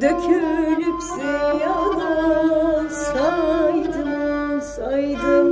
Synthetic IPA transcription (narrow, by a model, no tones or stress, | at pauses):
d̪akʰølypsɛjad̪a | sajd̪ɯsajd̪ɯ